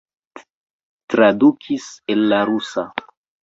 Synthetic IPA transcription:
tɾadukʰisenːaɾusa

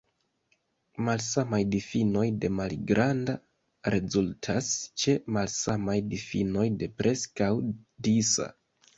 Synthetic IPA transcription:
malsamajdifino̞jde̞malɡɾʔanda | ɾe̞zultʰast͡ʃe̞malsamajdifino̞jde̞pɾʔe̞skawdisa̰

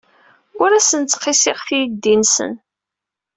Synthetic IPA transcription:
ʊɾæsənt͡sːqːɪsɪʁθijd̪ːinsə̰n

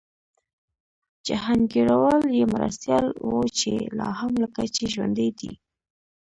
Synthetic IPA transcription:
d͡ʒaɦaŋɡeɽawɑljemaɾa̰st̪jɑlwot͡ʃelɑhamlakat͡ʃeʒwa̰nd̪əjd̪ḭ

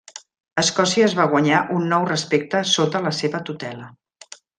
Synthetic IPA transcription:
əskɔsiəːzβaɣ̞wəɲaʔunːɔwrəspek̚t̪əsot̪ələseβət̪ut̪ɛlə

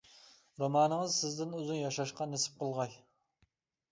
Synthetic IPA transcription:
ɾomɑːnɨŋɨzsɪzd̪ɪnøzynjɑʃɑʃqɑnesɪ̥p̚qəlˠʁɑj

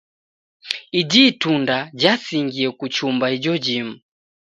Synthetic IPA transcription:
id͡ʒitundad͡ʒasiŋɡiɛkut͡ʃumbahid͡ʒɔd͡ʒim̩

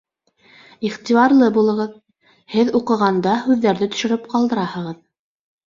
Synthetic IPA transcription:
iχt̪iβɑɾlˠɤbulˠɤ̆ʁɤð | hɘðuqɤ̆ʁɑnd̪ɑhʉðːæɾðɘt̪ɵ̥̆ʃɘ̆ɾɘpqɑlˠd̪ɤ̆ɾɑhɤ̆ʁɤð

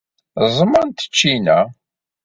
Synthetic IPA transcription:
zˤmənt̪ə̥t͡ʃːinæ

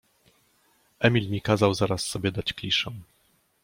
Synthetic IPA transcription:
ʔɛmʲilmʲikazawzaɾasːɔbʲjɛd̪at͡ɕklʲiʂɛ̃w̃

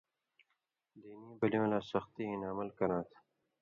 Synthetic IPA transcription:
d̪iːnibɐliõːlaːsɐxt̪iːĩnaməlkɐɾãːt̪ʰ

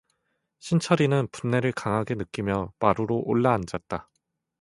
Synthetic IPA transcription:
ɕʰint͡ɕʰʌɾinɯnpunːe̞ɾɯɭkaŋɦaɡe̞nɯk͈imjʌpaɾuɾoʔoɭːaːnd͡ʑat̚t͈a

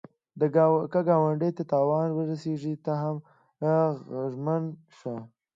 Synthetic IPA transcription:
d̪əkaɡɑwaɳɖejt̪at̪ɑwɑnwəɾaseʐit̪aɦam | ʒmən | ʂa

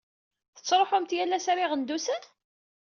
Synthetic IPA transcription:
θə̥t͡sːɾˤoħʊmt̪jælːæsæɾiʁənd̪usən

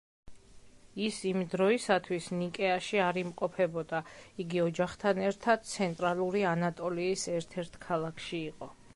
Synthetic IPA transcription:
isimd̪ɾɔisat̪ʰwisnikʼɛaʃiaɾimqʼɔpʰɛbɔd̪aiɡiɔd͡ʒaχt̪ʰanɛɾt̪ʰad̪̥̚t̪sʰɛnt̪ʼɾalˠuɾianat̪ʼɔliːsɛɾt̪ʰɛɾt̪ʰkʰalˠakʰʃiːqʼɔ

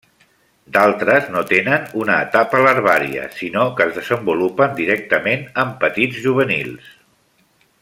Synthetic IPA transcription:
d̪alˠt̪ɾəznot̪enənunəːt̪apələɾβ̞aɾḭə̰sinokəzðəzəmbulupənd̪iɾɛk̚t̪əmenəmpət̪id͡zʒuβ̞ənḭlˠs

